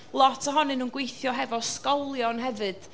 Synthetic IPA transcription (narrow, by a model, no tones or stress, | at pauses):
lˠɔtʰəɦɔnɨnuːnɡwejθjɔɦɛvɔskɔlˠjɔnɦɛvɨd̥